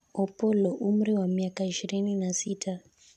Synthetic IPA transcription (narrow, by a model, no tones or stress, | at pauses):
ɔpɔlɔʔum̩ɾiwamiakaiʃiɾininasitʰa